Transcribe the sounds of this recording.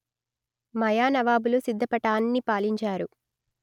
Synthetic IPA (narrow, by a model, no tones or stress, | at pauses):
mɐjaːnɐʋaːbulusid̪ʱːɐpɐʈaːnːipaːliɲt͡ʃaːɾu